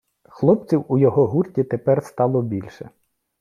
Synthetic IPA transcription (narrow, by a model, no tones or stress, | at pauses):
xlˠɔp̚t͡sʲiwujɔɦɔɦurtʲit̪epɛrst̪ɑlˠɔbʲilʲʃɛ